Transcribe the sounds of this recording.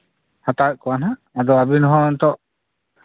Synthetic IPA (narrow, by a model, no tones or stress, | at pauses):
hat̪at̪̚kɔwanã | ad̪ɔabinɔɦɔ̃nt̪ɔʔ